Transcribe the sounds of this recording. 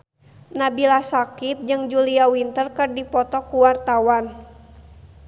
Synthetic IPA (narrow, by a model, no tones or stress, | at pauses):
nabilasakip̚d͡ʒɨŋd͡ʒuliawint̪ərkɨrdipɔt̪ɔkuwart̪awan